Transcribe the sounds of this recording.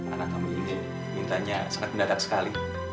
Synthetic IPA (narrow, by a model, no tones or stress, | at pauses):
a̰nakamiːi | mint̪aɲasaŋat̪̚məndadak̚sə̥kali